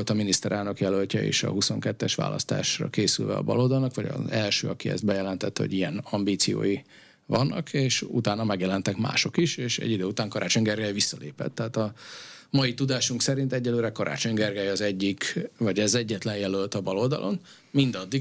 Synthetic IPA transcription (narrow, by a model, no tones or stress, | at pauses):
lt̪ɒminist̪ɛɾʔaːlnokjɛlølcɒḛːʃɒ̰ɦuso̞ŋkɛt̪ːɛʃʋa̰ːlʔɒ̰st̪a̰ːʃrɒ̰keːsylvɛ̰ɒ̰bɒloːd̪ɒlnɒkʋɒɟɒ̰ɛlʃø̰ːɒkiɛ̰zd̪̚bɛjɛlɛnt̪ɛt̪ːɛho̰ɟijɛnɒmbiːt̪sijo̰ːji | vɒnːʔɒ̰kʰeːʃṵt̪aːnɒmɛɡjɛlɛnt̪ɛkma̰ːʃo̞kiʃeːʃɛ̰ɟːid̪øːut̪aːŋkɒɾʔaːt͡ʃo̞ɲɡɛrɡɛjʋisːɒleːpɛ̰t̪ːɛaːt̪ɒmɒjit̪ud̪aːʃuŋksɛɾint̪ɛɟːɛløːɾɛkɒɾʔa̰ːt͡ʃo̞ɲɡɛrɡɛjɒzɛɟːikvɒɟɛzɛɟːɛt̪lɛnjɛlølt̪ɒbɒloːld̪ɒ̰lʔo̞̰n | mind̪ɒd̪ːi